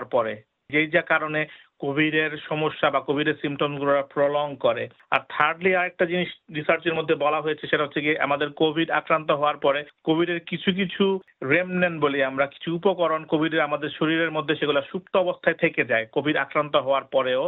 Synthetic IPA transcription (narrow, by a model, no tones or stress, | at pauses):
ɾpɔɾe | d͡ʑejd͡ʑakaɾone | kobʱiɖeɾʃɔmoʃːabakobʱiɖeɾsimʈomsɡuloɾapɾoloŋɡkɔɾḛ | a̰ɾt̪ʰaɾɖliaɾek̚ʈad͡ʑiniʃɾisaɾt͡ɕeɾmod̪ʱːebɔlaɦojet͡ɕʰeʃeʈaɦot͡ɕʰekeʔa̰mad̪eɾkobʱiɖa̰kɾant̪̬oɦɔoaɾpɔɾekobʱiɖeɾkit͡ɕʰuk̬it͡ɕʰu | ɾemnenboliamɾaki̥t͡ɕʰuupokɔɾonkobʱiɖeɾamad̪eɾʃoɾiɾeɾmod̪ʱːeʃeɡulaʃup̚t̪oɔbost̪ʰaet̪ʰeked͡ʑaekobʱiɖa̰kɾant̪oɦɔoaɾpɔɾeo